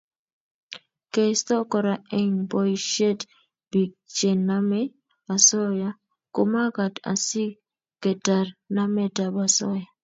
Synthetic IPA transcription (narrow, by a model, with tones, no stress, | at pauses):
ke˨stɔ˦kɔ˨ɾa˨e˦ɲbɔ˦iʃe˦t | b̥i˨ɡ̚t͡ʃe˨nːa˦mɛ˦ | ba˨sɔ˦ja˦ | ko˨ma˦ka˨ta̰˨si˦ | ke˨ta˨rna˦mɛ˦da˨ba˨sɔ˦ja˨